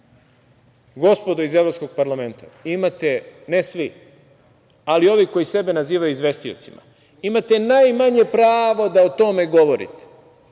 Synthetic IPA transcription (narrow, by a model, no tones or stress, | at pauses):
ɡo̞spod̪oizeʋɾosko̞ɡ̥̚paɾlame̞nt̪a̰imat̪enesʋi | alio̞ʋiko̞jise̞be̞naziːʋajuizʋe̞st̪io̰t̪sima̰ | imat̪enajmaɲe̞pɾaːʋo̞d̪aot̪o̞me̞ɡo̞ʋo̞ɾḭt̪e̥